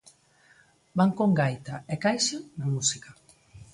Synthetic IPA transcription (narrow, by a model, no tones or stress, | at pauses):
baŋkoŋɡajt̪aɛkajʃanamusikɐ